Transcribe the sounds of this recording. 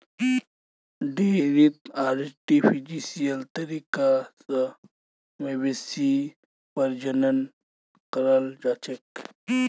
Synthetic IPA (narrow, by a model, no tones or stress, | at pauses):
ɖeɾit̪aːɾsʈifʰid͡ʒisijɐlt̪ɐɾikasɐ | mewesi | pɐɾd͡ʒɐnɐn | qɐɾɐld͡ʒat͡ʃek